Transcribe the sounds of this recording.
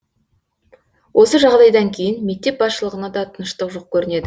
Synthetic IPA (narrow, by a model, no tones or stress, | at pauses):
wʔo̞səʒɑʁd̪ɑjd̪ɑŋkʲʰe̞jɪnme̞k̚t̪ːe̞p̚bɑsʃəlˠəʁənɑd̪ɑt̪ʰənəʃt̪əqʒo̞q̚kʲʰɵɾɪne̞d̪ɪ